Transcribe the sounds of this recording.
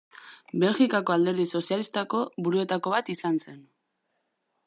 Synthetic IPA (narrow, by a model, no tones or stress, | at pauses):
be̞lxikako̞ald̪e̞ɾðiso̞sialist̪ako̞βuɾue̞t̪ako̞βat̪isanse̞n